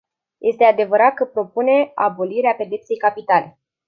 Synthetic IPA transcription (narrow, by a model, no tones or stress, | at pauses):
jʔe̞st̪e̞ad̪e̞vəɾat̪̚kəpɾo̞pune̞abo̞liɾeape̞d̪e̞pt̪se̞jkapit̪ale̞